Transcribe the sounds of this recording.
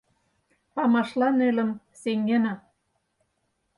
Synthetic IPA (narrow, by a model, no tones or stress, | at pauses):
pɑmɑʃlɑnelə̆m | seŋɡenɑ